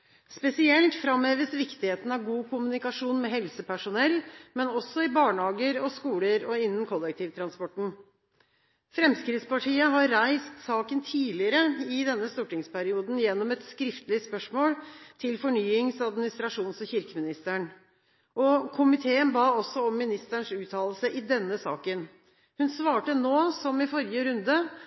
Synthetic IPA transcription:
spɛsɪɛlt̪fɾɑmeːʋəsʋɪkt̪ɪheːt̪n̩ɑʋɡuːkʰʊmʉnɪkɑʂuːnmɛɦɛlsəpʰæʂʊnɛlːmɛnɔsːɔɪbɑːɳhɑːɡəɾɔskuːləɾɔɪnːən̩kʰɔlːɛk̚t̪ʰiːʋt̪ʰɾɑnspɔʈːɳ̩ | fɾɛmskɾɪt̪spɑʈʰiːəɦɑɾːæɪst̪sɑːkənt̪ʰiːlɪəɾəɪd̪ɛnːəst̪uːʈɪŋspʰæɾɪuːd̪n̩jɛnːɔmɛt̪skɾɪft̪lɪspœʂmoːlt̪ʰɪlfɔɳyːɪŋsɑd̪mɪnɪst̪ɾɑʂuːnsɔmçɪɾkəmɪnɪst̪əɳ | ʔɔkʰʊmɪt̪ʰeːənbɑːɔsːɔɔmːɪnɪst̪əɳʂʉːt̪ʰɑːləlsəʔɪd̪ɛnːəsɑ̰ːkən | hʉnsʋɑːʈənoːsɔmɪfɔɾjəɾʉnd̪ə

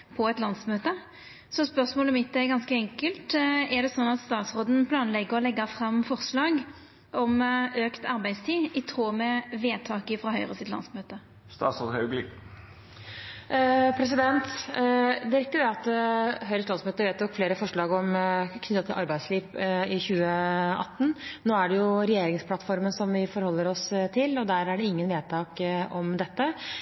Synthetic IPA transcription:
pʰɔɛt̪lɑnsmøːt̪ə | sɔspœʁsmoːlɔmɪt̪ːɛɡɑnskəɛŋkəlt̪ɛʁd̪ɛsɔnːɑt̪st̪ɑːt̪sʁoːd̪n̩pʰlɑːnlɛɡəʁɔlɛɡːəfɾɑmfɔʁslɑːɡ | ɔmøːkt̪ʰɑɾbæɪst̪ʰiːɪt̪ʰɾoːmɛʋeːt̪ʰɑːkəfʁɑɦœʏʁəsɪt̪lɑ̰nsmøːt̪ə | st̪ɑ̰ːt̪soːd̪hœɡl | pʰɾɛs̬ɪd̪ɛnt̪ | d̪ɪɾɛk̚t̪ːəd̪ɛɑt̪ːɦœʏɾəst̪lɑnsmøːt̪əʋeːt̪jɔkfleːɾəfɔʂɭɑːɡɔmkʰnʏt̪ːɑt̪ʰɪlʔɑɾbæɪsliːpɪçʉːəɑ̰t̪ːn̩noːæɖɛjʊɾɛjeːɾɪŋspʰlɑt̪fɔɾmənsɔmʋɪfɔɾhɔlːəɾɔst̪ʰɪlːɔd̪æɾæɖɛɪŋːənʋeːd̪t̪ʰɑːkɔmd̪ɛt̪ːə

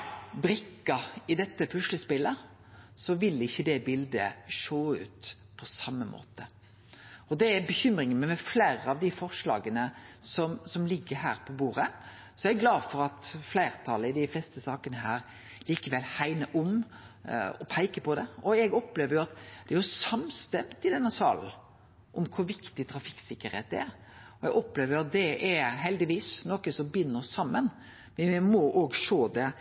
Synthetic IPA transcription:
bɾɪkːɑɪd̪ɛt̪ːəpʰʉʂləspɪlːə | sɔʋɪlɪçːəd̪ɛbɪld̪əʂoːʉ̰ːt̪ | pʰɔsɑmːəmʔo̰ːt̪ə | ɔd̪ɛæbəçʏmɾɪŋənmɛmɛflæːɾəɑʋd̪ɪfɔʁʂlɑ̰ːɡənəsɔmsɔmlɪɡːəɦæːɾpʰɔbuːʁə | sɔɛɡlɑːfɔɾɑt̪flæɪʁt̪ʰɑləɪd̪ɪflɛst̪əsɑːkənəɦæːɾ | liːkəʋɛlːhæɪnəʔʊm | ɔpʰæɪkəpʰɔd̪ɛɔɛɡɔpleːʋəɾjʊɑt̪d̪̥ɛæɾjʊsɑmst̪ɛmt̪ɪd̪ɛnːəsɑ̰ːln̩ | ʔɔmkʰʊɾʋɪkt̪ɪt̪ʰɾɑfɪ̥ksɪkːəɾhḛːt̪̚ːæ̰ɾ | ɔɛɡɔpleːʋəɾjʊɑt̪̚d̪ɛɛɦɛld̪ɪʋiːsnɔkəsɔmbʏnːəsɑmːən | ʋɪmɔːʔoːɡʃoːd̪ɛ

